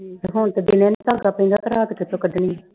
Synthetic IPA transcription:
ɦoːɳt̪ed̪ɪnɛ̃ːniːt̪aːɡaːpəĩnd̪aːt̪əɾaːt̪kɪt̪õkəɖniː

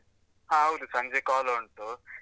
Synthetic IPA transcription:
ɦãɦɐwd̪usɐɲd͡ʒekaːlɐuɳʈ̪u

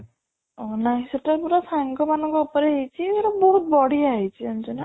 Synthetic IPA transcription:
ɔnaj̃sɔʈaɾpuɾɔsaŋkɔmanɔ̃ŋkɔupɔɾeɦejt͡ʃʰieɾɔbɔɦut̪̚bɔɽiaɦit͡ʃʰiɔnt͡ʃɔna

